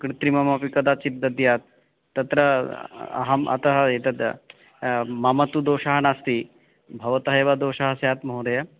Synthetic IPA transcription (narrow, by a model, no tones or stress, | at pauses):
kɾit̪ɾimɐmɐpikɐd̪aːt͡ʃip̚d̪ɐd̪jaːt̪̚ː | ɐt̪ɾɐɐ̰ɦɐmɐ̰t̪ɐɦɐet̪ɐt̪ | mɐmɐt̪ud̪oːʃɐɦɐnaːst̪i | bʱɐʋɐt̪ɐɦeʋad̪oːʃɐɦɐsjaːt̪mɐɦoɾɐjɐ